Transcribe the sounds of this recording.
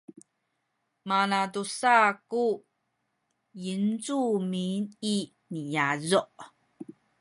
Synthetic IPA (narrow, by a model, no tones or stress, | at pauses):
manadusaku | jint͡sumini | nijazɔʔ